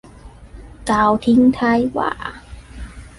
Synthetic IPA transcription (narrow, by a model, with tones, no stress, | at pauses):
kaː˨˩wt̪ʰi˧˥ŋt̪ʰa˧˥jwa̰ː˧˩